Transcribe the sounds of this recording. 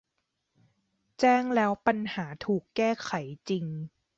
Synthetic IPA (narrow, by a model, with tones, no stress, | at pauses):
t͡ɕɛː˥˩ŋlɛː˦˥wpa˧nhaː˩˦t̪ʰuː˨˩kːɛː˥˩kʰa˩˦jt͡ɕi˧ŋ